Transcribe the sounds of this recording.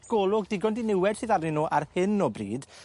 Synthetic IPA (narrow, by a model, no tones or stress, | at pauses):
ɡ̥ɔːlˠʊɡ̚dɪɡɔndinɪwɛd̥sɨːðarɪnoːʔarhɪnːɔbrḭːd̥